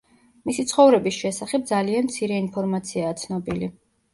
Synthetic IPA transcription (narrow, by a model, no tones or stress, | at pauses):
misit̪sʰχɔvɾɛbisʃɛsaχɛb̚d̪zalianmt̪sʰiɾɛinpʰɔɾmat̪sʰiaːt̪sʰnɔbili